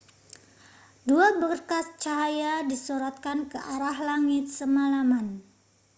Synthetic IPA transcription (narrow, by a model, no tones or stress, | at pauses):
duabərkast͡ʃaɦajadisuɾat̪̚kankəʔaɾaɦlaŋɪt̪̚səmalaman